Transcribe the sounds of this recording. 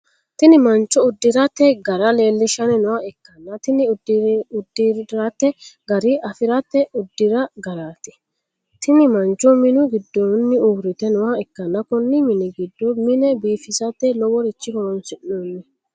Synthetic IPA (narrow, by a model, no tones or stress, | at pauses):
t̪ɪnɪmɐnt͡ʃːɔʊd̪ːɪɾɐt̪ːɛɡɐɾɐle̞ːlːɪʃɐnɛnʊwaɛkːɐnːɐt̪ɪnɪdʊd̪ːɪɾat̪ːɛɡɐɾɪʔɐfɪɾɐt̪ːɛʊd̪ːɪɾɐɡɐɾaːt̪ɛ̥ | t̪ɪnɪmɐnt͡ʃːɔmɪnʊɡɪd̪ːɔːnːɪuːɾɪt̪ɛnʊwaɛkːɐnːɐkʊnːɪmɪnɛɡɪd̪ːɔmɪnɛbiːfɪsɐt̪ːɛlɔwɔɾɪt͡ʃːɪhɔɔnsɪʔnoːnːɛ